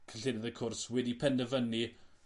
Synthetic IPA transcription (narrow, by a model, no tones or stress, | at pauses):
kʰəɬɪdəðəkʰʊrswɛdipʰɛndəvəni